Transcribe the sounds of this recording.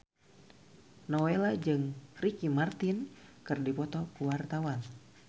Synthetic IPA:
nɔwelad͡ʒɨŋrikimart̪inkɨrdipɔt̪ɔkuwart̪awan

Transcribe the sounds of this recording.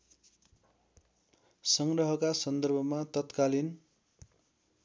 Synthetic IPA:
sʌŋɡrʌɦʌkasʌnd̪ʌrbʱʌmat̪ʌt̪kalin

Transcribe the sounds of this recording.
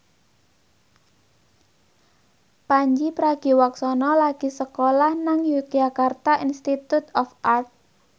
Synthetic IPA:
paɲd͡ʒipɾaɡ̥i̤waksɔnɔlaɡ̥i̤səkolahnaŋju̥d͡ʒakart̪aʔinst̪it̪ut̪ɔfart̪̚

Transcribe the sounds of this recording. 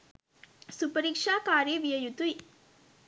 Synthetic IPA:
sʊpɐɾɪkʂaːkaːɾeːʋɪjɐjut̪uj

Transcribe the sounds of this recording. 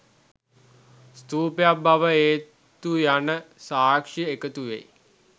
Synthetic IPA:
st̪uːpejabaʋəeː | t̪ujanəsaːkʂiekət̪uʋḛ

